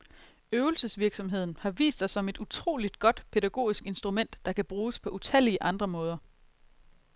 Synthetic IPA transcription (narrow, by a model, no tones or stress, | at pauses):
øʊl̩səsʋiɐɡ̥sɒ̽mɦe̝ð̞̰ˠn̩hɑ̈ʋḭːsd̥sɑ̈sɒ̽me̝d̥ut͡sʰʁo̝̰ːlid̥ɡ̥ɒ̽d̥pʰe̝ðæɡ̥o̝̰ːisɡ̥e̝nsd̥ʁumen̰d̥ːɑ̈kʰæb̥ʁuːspʰɒ̽ʔut͡sʰæl̰iəʔɑ̈nd̥ʁɐmɔ̽ːð̞ˠɐ